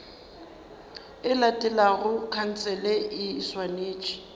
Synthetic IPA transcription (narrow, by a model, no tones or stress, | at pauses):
ɪlatʼɛlaɣʊkʰan̩t͡sʰʼɛlɛɪːswaneːt͡ʃʼi̥